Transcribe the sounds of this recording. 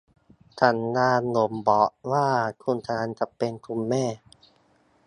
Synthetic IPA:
t͡ɕʰa˨˦nːaː˧nlo˨˩˦mbɔ˨˩˦ʔwaː˥˩kʰu˧nt̪ʰaː˧˦nt͡ɕa˨˩pe˧nkʰu˧nːɛː˥˩

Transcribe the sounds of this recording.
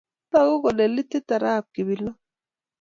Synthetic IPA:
ba˦˨ɣʊ˦ɣɔ˨le˨li˦ti˦ta˨ɾa˦˨ki˨bi˨lɔ˦

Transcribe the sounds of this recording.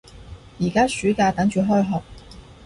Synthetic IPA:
jiː˨˩kaː˥syː˨˥kaː˧t̪ɐ˨˥ŋt͡ʃyː˨˧ɦɔː˥jɦɔː˨k̚

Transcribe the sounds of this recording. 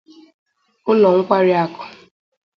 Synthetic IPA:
ʊ˦lɔ˨ŋ̩˦kʷa˦ɾɪ˦a˨kʊ̥˨

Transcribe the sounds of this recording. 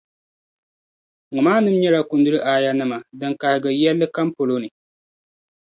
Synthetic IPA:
ŋʊ˨maː˦nɨ˦mɲɛ˦la˨ku˨ndɨ˦ɾɨ˦ʔaː˨ja˦nɨ˦ma˨dɨ˨ŋka˨hɨ˨ɡɨ˨jɛ˦lːɨ˦ka˦mpo˨lo˦nɨ˨

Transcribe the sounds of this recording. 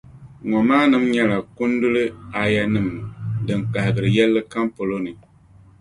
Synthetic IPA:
ŋɔ˨maː˦nɨ˦mɲɛ˦la˨ku˦n˦du˦lɨ˦a˨ja˦nɨ˦˨mdɨ˨ŋka˨hɪ˨ɡɨ˨ɾɨ˨jɛ˦lːɨ˦ka˦mpo˨lo˦nɨ˨

